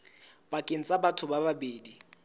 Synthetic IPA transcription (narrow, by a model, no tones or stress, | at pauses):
b̥akʼen̩t͡sʼabatʰʊbababeːdi